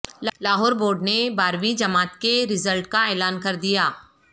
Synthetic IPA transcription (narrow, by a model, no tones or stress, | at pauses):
llaːɦɔːɾboːɾɖnebaːɾʋĩd͡ʒɐmaːt̪keɾɪzəlʈkaeːlaːnkɐɾd̪ijaː